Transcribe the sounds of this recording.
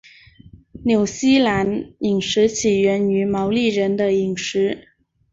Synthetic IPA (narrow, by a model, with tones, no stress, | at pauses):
njo˨˩ʊɕi˥la˧˥ni˨˩ŋʂɻ̩˧˥t͡ɕʰi˨˩ɥɛ˧˥ny˧˥mɑ˧˥ʊli˥˩ɻə˧˥nd̪ə˧i˨˩ŋʂɻ̩˧˥